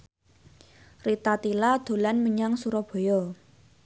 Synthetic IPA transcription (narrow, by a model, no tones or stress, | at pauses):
rit̪at̪ilad̪̥o̤lanməɲaŋsuɾɔb̥ɔ̤jɔ